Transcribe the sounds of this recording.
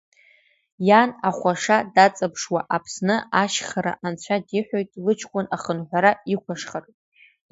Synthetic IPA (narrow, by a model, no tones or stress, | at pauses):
janaχʷaʂadat͡sʼapʰʂwaʔapʰsnɨaʃχaɾa̰ʔant͡ɕʷʰadiħʷᶣajtʼilɨt͡ʃʰkʷʼʊnaχənħʷaɾaikʷʰaʂχar